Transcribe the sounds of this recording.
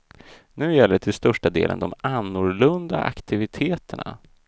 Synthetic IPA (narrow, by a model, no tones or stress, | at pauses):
nʉ̟ːjɛlːəʈʰɪlst̪œʂʈad̪eːlə̰nd̪ɔmanːʊɾlɵnd̪a̰ʔa̰kt̪ʰɪvɪt̪ʰeːt̪əɳa̰